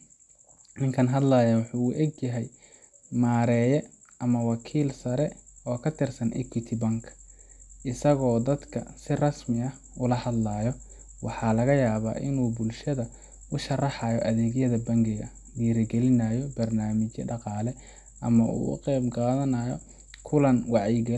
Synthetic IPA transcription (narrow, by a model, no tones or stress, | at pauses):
nɪŋkʰɐnɦɐd̪laːjawɑħuːʊʔɛɡjɐɦɛj | maːɾɛːjɛ | ʔɐmɐwɑkʰiːlsɐɾɛɔːkʰɐt̪ʰɪrsɐnʔɛ̰kʰɪt̪ʰɪbɐŋkʰʔɪsɐɣɔːd̪ɐd̪kʰɐsɪrɐsmɪɐ | ʊlɐhɐd̪laːjɔ | wɑħɑːlɐɣɐjaːβa̰ːʔɪnuːbʊlʃɐðɐ | ʊʃɐrɑħɑjɔʔɐðɛːɣjɐðɐbɐŋɡɪɣɐ | wiːɾɪɡɛlɪnɐjɔbɐrnaːmɪt͡ʃjɐ̰ɖɑqɑːlɛ | ʔɐ̰mɐʔṵːʊ̰qɛːbqɑːðɐnɐjɔ | kʰʊlɐnwɑʕɪɡɐ